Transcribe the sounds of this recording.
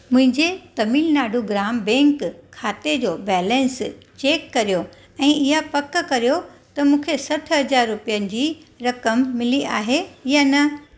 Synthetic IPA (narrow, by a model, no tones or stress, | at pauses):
mʊ̃ɦɪ̃ɲd͡ʑet̪ɐmiːlnaːɖʱuɡɾaːmbɛ̃ːŋkʰːaːt̪ed͡ʑoːbɛːlɛ̃nst͡ɕeːkːɐɾijo | ɛ̃ːɪɦapɐkkɐɾijot̪ɐmũːkʰesɐʈʰɦɐd͡ʑaːɾːʊpijənɪ̆d͡ʑiːɾɐkəmːɪliʔa̰ːɦejanɐ